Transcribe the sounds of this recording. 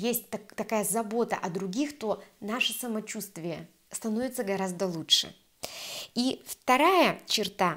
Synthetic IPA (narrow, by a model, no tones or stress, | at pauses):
jesʲt̚ʲt̪ɐt̪ɐkajəzɐbo̞t̪ə̰ʔɐd̪ɾʊɡʲixt̪o̞naʂɨsəmɐt͡ɕust̪vʲɪjə | st̪ɐnovʲɪt̪səɡɐɾazd̪əlˠutʂɨ̰ | ift̪ɐɾajət͡ɕɪrt̪a